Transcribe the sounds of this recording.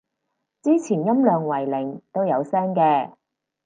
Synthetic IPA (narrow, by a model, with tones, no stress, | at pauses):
t͡siː˥t͡sʰiː˨˩njɐ˥mlœː˨ŋwɐ˨˩jlɪ˨˩ŋt̪o˥wjɐ˨˧wsɛː˥ŋkɛː˧